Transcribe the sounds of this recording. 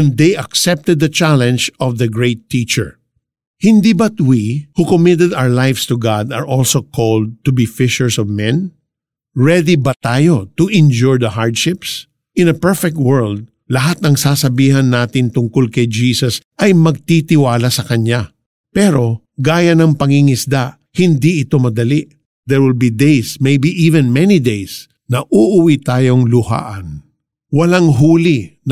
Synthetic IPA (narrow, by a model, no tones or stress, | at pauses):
ɛ̃nd̪ejʔɐksɛp̚t̪ɛd̪̚ːɐt͡ʃalɛ̃nd͡ʒɔvðɐɡɹejt̪ːit͡ʃɛ̰ɹ | hɪnd̪ibɐt̪wihʊkomɪt̪̬ɛd̪awəɹlajfst̪ʊɡad̪ɐ̰ɹʔɔlsokʰold̪̚t̪ʊbifɪʃɛɹsɔvmɛ̃n | ɹɛd̪ibɐt̪aːjo̞t̪ʊʔɪ̃nd͡ʒuɹd̪ɐɦaɹd̪ʃɪps | ʔɪ̃nɐpɛɹfɛk̚t̪̚wɛɹld̪̚ | lɐɦat̪̚nɐŋsaːsɐbiːɦɐnːaːt̪ɪnt̪ʊŋkolkɐjd͡ʒiːsɐsʔɐjmɐɡ̚t̪it̪ɪwaːlasɐkɐɲa | pɛɾo | ɡaːjɐnɐŋpɐŋiŋɪsd̪a | hɪnd̪iʔɪt̪o̞mɐd̪ɐliʔ | d̪ɛɹwɪlbid̪ejsmejbiʔivɛ̃nmɛnid̪ejs | nɐʔuʔʊwit̪aːjo̞ŋlʊha̰ːʔɐn | wɐlaŋɦuːlin